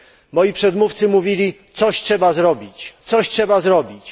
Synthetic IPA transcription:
mɔjipʂɛd̪muft̪sɘmuvʲilʲit̪sɔɕtʂɛbazɾɔbʲit͡ɕt̪sɔɕtʂɛbazɾɔbʲit͡ɕ

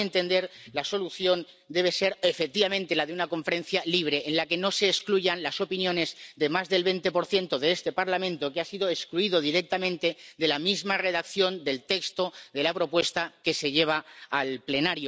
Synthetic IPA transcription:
ent̪e̞nd̪e̞ɾlaso̞luθjo̞n | d̪e̞β̞e̞se̞ɾefek̚t̪iβamẽnt̪e̞laðe̞unako̞ɱfe̞ɾe̞nθjaliβ̞ɾe̞ʔːnlake̞no̞se̞ːskluʝanlaso̞pinjõ̞ne̞zðe̞mazðe̞lβe̞nt̪e̞po̞ɾθje̞nt̪o̞ðe̞est̪e̞paɾlamẽ̞nt̪o̞keasiðo̞eskluiðo̞ðiɾe̞k̚t̪amẽnt̪e̞d̪e̞lamizmare̞ðakθjo̞nd̪e̞lt̪e̞kst̪o̞d̪e̞lapɾo̞pwe̞st̪ake̞se̞ʎe̞β̞aalple̞naɾjo

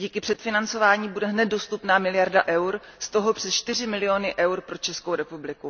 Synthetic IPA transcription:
ɟiːkɪpr̥ɛt̪fɪnant͡so̞vaːɲiːbudɛɦnɛd̪̚do̞st̪upnaːmɪlɪjaɾdaʔɛwɾ | st̪o̞ɦopr̝̥ɛst͡ʃt̪ɪrɪmɪlɪo̞nɪʔɛwɾpɾo̞t͡ʃɛskowɾɛpublɪku

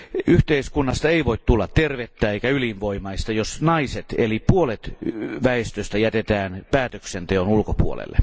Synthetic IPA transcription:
ʔyht̪eiskunːɑst̪ɑeiʋoit̪t̪ulːɑt̪terʋet̪ːæːeikæylinʋoimɑist̪ɑjosnɑiset̪elipuolet̪ʋæest̪øst̪æjæt̪et̪æːnpæːt̪øksent̪eonulkopṵo̰lḛlːe

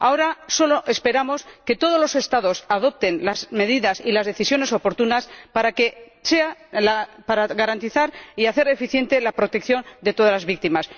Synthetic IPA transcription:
ao̞ɾaso̞loʔe̞spe̞ɾamo̞ske̞t̪o̞ð̞o̞zlose̞st̪aðo̞saðo̞p̚t̪e̞nlazme̞ðiðasilazðe̞θisjo̞ne̞so̞po̞ɾt̪unaspaɾake̞ | se̞alapaɾaɣaɾant̪iθaɾiaθe̞ɾefiθje̞nt̪e̞lapɾot̪e̞k̚θjo̞nd̪e̞t̪o̞ðalazβik̚t̪imas

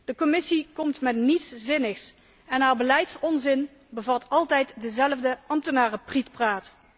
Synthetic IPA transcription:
d̥əkɔmɪsikɔmtmɛtnitszɪnəxs | ɛnɦaːɹbəlɛjtsɔnzɪn | bəvɑtʰɑlˠtɛjtdəzɛlvdəʔɑmtənaːrəpritpraːt

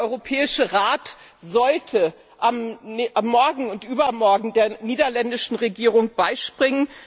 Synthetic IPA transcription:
ʔɔʏʁopʰɛːɪʃəʁaːt | zɔltʰə | ʔamʔamːɔɐɡŋ̩ʊntʔyːbɐmɔɐɡŋ̩deːɐniːdɐlɛndɪʃn̩ʁeɡiːʁʊŋb̥aɪʃpʁ̥ɪŋən

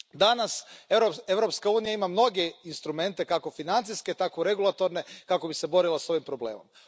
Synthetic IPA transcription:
d̪anaseɾope̞ʋɾo̞pskauːnijaimamno̞ɡeinst̪ɾume̞nt̪e̞kako̞finant̪siske̞t̪akoɾe̞ɡulˠat̪o̞ɾne̞kakobise̞bo̞ɾilˠaso̞ʋimpɾoble̞̰ːmo̞̰m

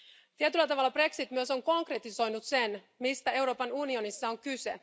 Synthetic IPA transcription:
t̪iet̪ylːæt̪ɑʋɑlːɑbre̞ksit̪myøso̞ŋko̞ŋkret̪iso̞jnut̪se̞n | mist̪æe̞wɾo̞ːpɑnunio̞nisːɑoŋkyse̞̰

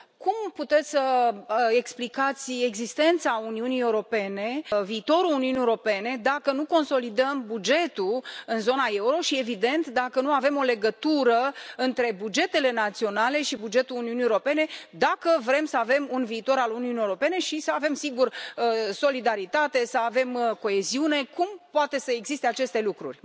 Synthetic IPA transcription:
kumput̪e̞t̪sʲsə | e̞ksplikat̪sʲe̞ɡzist̪e̞nt̪sauniunijewɾo̞pe̞ne̞viːt̪o̞ɾuuniuniewɾo̞pe̞ne̞d̪akənuko̞nso̞lid̪əmbud͡ʒe̞t̪uɨnzo̞nae̞uɾo̞ʃie̞vid̪e̞nt̪d̪akənuave̞mo̞le̞ɡət̪uɾəɨnt̪ɾe̞bud͡ʒe̞t̪e̞le̞nat̪sio̞nale̞ʃibud͡ʒe̞t̪uluniunieoɾo̞pe̞ne̞d̪akəvɾe̞msəave̞munviːt̪o̞ɾaluniuniewɾo̞pe̞ne̞ʃisəave̞msiɡurəso̞lid̪aɾit̪at̪e̞səave̞mko̞e̞ziune̞kumpoat̪e̞səe̞ɡzist̪e̞at͡ʃe̞st̪e̞lukɾṵrʲ

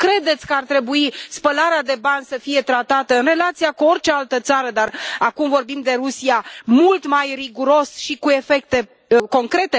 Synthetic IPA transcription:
kɾe̞d̪e̞t̪sʲkəart̪ɾe̞buispəlaɾead̪e̞banʲsəfije̞t̪ɾat̪at̪əɨnre̞lat̪sijakuo̞rt͡ʃealt̪ət̪saɾəd̪arakumvo̞rbimd̪e̞ɾusiamult̪majriɡuɾo̞sʃikue̞fe̞kt̪e̞ | ko̞ŋkɾe̞t̪e̞

